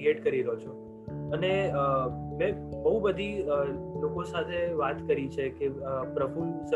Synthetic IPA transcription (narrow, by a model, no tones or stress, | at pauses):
eʈkəɾiɾəɦot͡ʃʰo | əneəmẽbəɦubəd̪ʱiəlokosat̪ʰeʋat̪kəɾit͡ʃʰekepɾəfulsə